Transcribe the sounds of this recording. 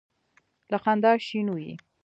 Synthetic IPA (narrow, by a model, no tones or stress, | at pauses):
laqand̪ɑʃinujḭ